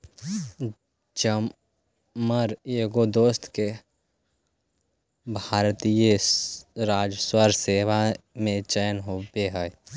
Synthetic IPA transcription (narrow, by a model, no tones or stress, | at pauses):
d͡ʒə | məɾeːɡod̪oːst̪ʰke | bʱaːɾt̪ije | ɾaːd͡ʒəswəɾseːʋa | mẽt͡ʃəjənɦopeɦə